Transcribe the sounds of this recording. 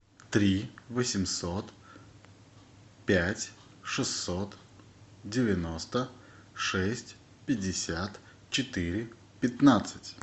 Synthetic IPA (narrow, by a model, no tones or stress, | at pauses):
t̪ɾʲivəsʲɪmsot̪ | pʲætʲ | ʂɨsːot̪ | dʲɪvʲɪno̞st̪ə | ʂɛsʲtʲ | pʲɪdʲːɪsʲat̪ | t͡ɕɪt̪iɾʲɪ | pʲɪt̪nat̪sɨtʲ